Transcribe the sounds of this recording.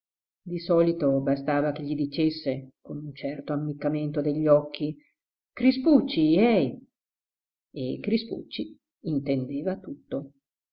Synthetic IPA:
d̪isɔːlit̪obast̪aːvak̟eʎːid̪it͡ʃesːekonunt͡ʃɛrt̪oamːikːament̪od̪eʎːɔkːi | kɾisput͡ʃːiɛj | ekɾispṵt͡ʃːi | int̪end̪eːvat̪ut̪ːo

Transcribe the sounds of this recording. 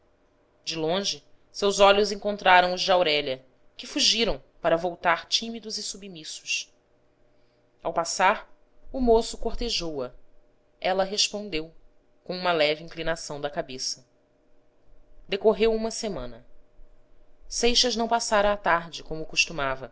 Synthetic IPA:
d͡ʒɪlõʒɪ | sewzɔʎʊzẽŋkõnt̪ɾaɾɐ̃w̃ʊzd͡ʒɪawɾɛʎɐ | kɪfuʒiɾɐ̃w̃ | paɾɐvowt̪aɾt͡ʃĩmid̪ʊzɪsubmisʊ̥ʃ | awpasaɾ | umosʊkoχt̪eʒowɐ | ɛlɐɦeʃpõnd̪ew | kõũmɐlɛvɪĩŋklinasɐ̃w̃d̪ɐkabesɐ | d̪ekoɦewũmɐsemɐ̃nɐ | sejʃɐznɐ̃w̃pasaɾɐːt̪aɾd͡ʒɪkõmʊkuʃt̪umavɐ

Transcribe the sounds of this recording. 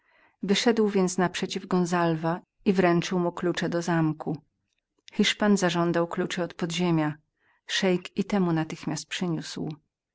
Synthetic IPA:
vɘʂɛd̪wvʲjɛnt̪snapʂɛt͡ɕivɡɔnzalva | ivɾɛnt͡ʂɘwmuklut͡ʂɛd̪ɔzamku | xiʂpanzaʐɔnd̪awklut͡ʂɛɔt̪pɔd̪ʑemʲja | ʂɛjkit̪ɛmunat̪ɘxmʲast̪̚pʂɘɲusw

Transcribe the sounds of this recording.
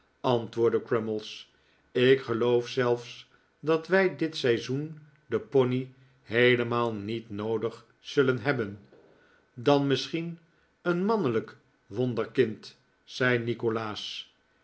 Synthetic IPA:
ɑntʋʊːɹdəkɹɛməlˠs | ɪkχəlowfsɛlˠfs | dɑtʋɛjdɪtsɛjzun | dəpɔni | ɦejləmaːlˠnitnowdəχ | sɵlənɦɛbən | dɑnmɪsχin | ənmɑnələk | ʋɔndəɹkɪnt | sɛjnikolaːs

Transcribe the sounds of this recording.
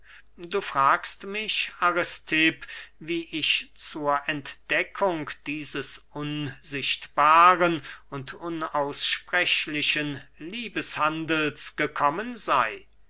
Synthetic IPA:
duːfʁ̥aːkstmɪɕaʁɛstʰɪpviːʔɪçt͡suːɐʔɛntd̥ɛkʰʊŋkd̥iːzəsʔʊnzɪʃtb̥aːʁənʊntʊnaʊsʃpʁ̥ɛʃlɪʃənliːbəshandl̩sɡ̥əkʰɔmənzaɪ

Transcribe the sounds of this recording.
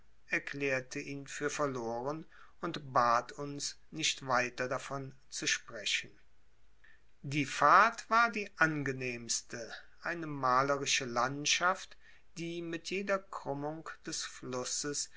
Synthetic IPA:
ɛɐklɛːɐtʰəʔiːnfyːɐfɛɐloːʁən | ʊntbaːtʰʊns | nɪçtv̥aɪtɐdafɔn | t͡suʃpʁ̥ɛʃən̩ | diːfaɐtv̥aːɐdiːʔanɡəneːmstʰəʔaɪnəmaːləʁɪʃəlantʃaft | d̥iːmɪtʰjeːdɐkʁ̥ʊmʊŋkd̥ɛsflʊsəs

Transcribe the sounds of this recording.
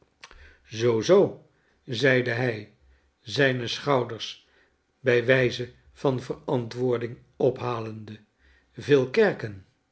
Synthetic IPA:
zowzow | zɛjdəɦɛj | zɛjnəsχɑwdəɹs | bɛjʋɛjzə | v̥ɑnvərɑntʋʊːɹdɪŋ | ɔpɦaːləndə | vɪːlˠkɛɹkən

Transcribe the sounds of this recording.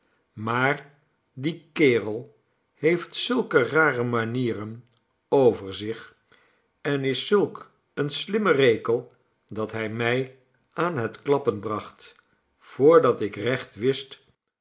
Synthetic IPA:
maːr | dikɪːrəlˠ | hejftsɵlˠkəraːrəmaniːrən | owvəɹzɪχ | ɛnɪsːɵlˠk | ənslɪmərejkəlˠ | dɑtɦɛjmɛj | aːnɦətklɑpənbrɑχt | fʊːɹdɑtɪkrɛχtʋɪst

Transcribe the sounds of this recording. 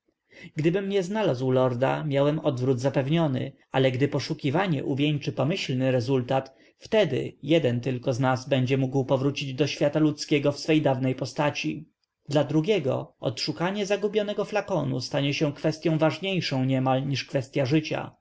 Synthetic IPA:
ɡd̪ɘbɘmɲɛznalazwlɔɾd̪a̰mʲjawɛmɔd̪vɾud̪zapɛvɲɔnɘ̰ | alɛɡd̪ɘpɔʂukʲivaɲɛ̰ʔuvʲjeɲt͡ʂɘpɔmɘɕlnɘɾɛzult̪at̪ | ft̪ɛd̪ɘ̰jɛd̪ɛnt̪ɘlkɔznazbɛɲd͡ʑɛmuɡwpɔvɾut͡ɕid͡ʑd̪ɔɕfʲjat̪alut̪skʲɛɡɔfsfɛjd̪avnɛjpɔst̪at͡ɕi | d̪lad̪ɾuɡʲɛɡɔ̰ɔ̰t̪ʂukaɲɛzaɡubʲjɔnɛɡɔflakɔnṵst̪aɲɛɕɛ̃kfɛst̪ʲjɔ̃w̃vaʐɲejʂɔ̃w̃ɲɛmalɲiʂkfɛst̪ʲjaʐɘt͡ɕa̰

